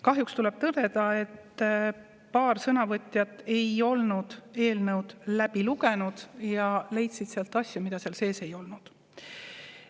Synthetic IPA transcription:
kɑɦjukst̪ulɛb̥̚t̪ɤd̪̥e̞d̪ɑe̞t̪ː | pɑːrsɤnɑvɤt̪ʲjɑt̪ːˑe̞jo̞lnud̪̥e̞ːlnɤwd̪̥læb̥iluɡe̞nud̪̥jɑle̞jt̪sid̪̥seɑlt̪ːˑɑsʲjumid̪ɑseɑlse̞ːse̞jo̞lnud̪̥

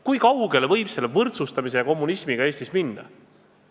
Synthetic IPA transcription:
kujkɑwɡ̥e̞lvɤ̞jb̥se̞lːevɤrt̪sust̪ɑmis̬e̞jɑko̞mːunismiɡ̥ɑe̞ːst̪isminːɑ̰

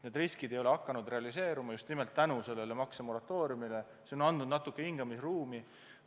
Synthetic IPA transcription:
ne̞d̪riskid̪e̞jo̞le̞ɑkːɑnud̪re̞ɑlise̞ːɾumɑjust̪nimelt̪ːænuse̞lːe̞le̞mɑksemo̞ɾɑt̪ːˑo̞ːɾjumile | seo̞nɑnd̪nud̪̥nɑt̪ːˑukːˑehiŋɡ̥ɑmisruːmi

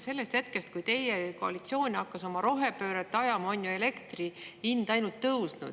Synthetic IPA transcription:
se̞lːe̞st̪he̞t̪ke̞st̪̚kujt̪e̞jekoɑlit̪sio̞ːnʲɑkːɑso̞mɑɾo̞ɦe̞pø̞ːɾet̪ːˑɑjɑmɑo̞nʲjue̞le̞kt̪riind̪̥ɑjnult̪ːɤwsnṵd̪

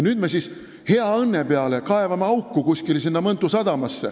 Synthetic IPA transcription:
nyːd̪mesis | he̞ɑɤnːe̞peɑle̞kɑe̞vɑmeɑwkːukusʲkilsinːɑmɤnt̪ːˑusɑd̪̥ɑmɑsːe̞̰

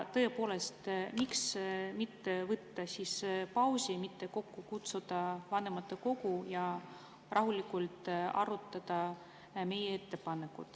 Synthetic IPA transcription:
t̪ɤepo̞ːle̞st̪miksmit̪ːevɤt̪ːɑsispɑwsiemit̪ːe̞ko̞kːukut̪sud̪̥ɑvɑne̞mɑt̪ːˑeko̞ɡ̥ujɑ | rʔɑɦulikːult̪ɑ̰rut̪ˑːɑd̪̥ɑ | me̞jee̞t̪ːe̞pɑnekːut̪

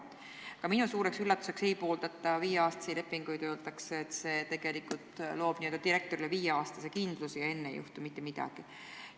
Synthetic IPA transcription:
kɑminusuːɾe̞ksylːɑt̪ːˑu̥se̞kse̞jpo̞ːld̪̥ɑt̪ːˑɑviːjeɑːst̪ɑ̥sile̞pːˑiŋɡ̥ujt̪øːlt̪ɑkseet̪se̞ːt̪e̞ɡ̥e̞likult̪ˑlo̞ːb̥niø̞ld̪ɑt̪iɾe̞k̚t̪o̞ɾile̞viːjeɑːst̪ɑsekind̪̥lusijɑe̞nːḛjṵht̪umit̪ːemid̪̥ɑ̰ɡ̥i

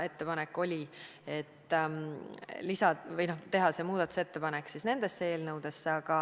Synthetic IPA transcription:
e̞t̪ːe̞pɑnekːˑo̞lʲi | e̞t̪ː | lisɑvɤjno̞ht̪e̞ɦɑse̞muːd̪̥ɑt̪ːˑu̥se̞t̪ːe̞pɑnekːsisne̞nd̪e̞sːee̞ːlnɤwd̪̥e̞sːeɑɡ̥ɑ

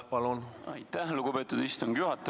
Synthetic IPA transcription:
pɑlunɑ̰jt̪ːæhluɡ̥upe̞ːt̪ːˑud̪ist̪uŋɡjuɦɑt̪ˑːɑ

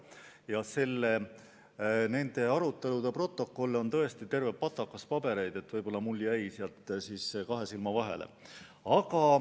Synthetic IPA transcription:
jɑse̞lːe | ne̞nd̪̥e̞ɑɾut̪ːˑe̞lud̪̥epro̞t̪ˑːo̞kːˑo̞lːo̞nt̪ɤ̞e̞st̪it̪e̞rvepːɑt̪ːˑɑkːˑɑspɑbe̞ɾe̞jd̪̥e̞t̪vɤjb̥o̞lːɑmulʲːiæjseɑlt̪ːˑsiːsːekɑɦe̞silmɑvɑɦe̞̰lḛ | ɑɡɑ

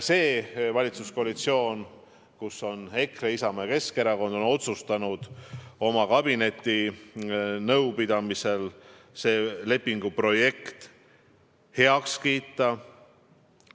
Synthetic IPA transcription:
se̞ːvɑlʲit̪susko̞ɑlit̪sio̞ːn | kuso̞ne̞kreisɑmeke̞ske̞ɾɑko̞nd̪o̞no̞t̪sust̪ɑnud̪̥o̞mɑkɑb̥ine̞t̪ʲːˑi | nɤwpid̪̥ɑmise̞l | se̞ːle̞pːiŋɡ̥upro̞je̞kt̪ | he̞ɑkskiːt̪ːˑɑ

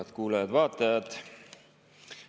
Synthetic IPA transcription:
ɑt̪kuːlɑjɑd̪vɑːt̪ːˑɑjɑd̪̥

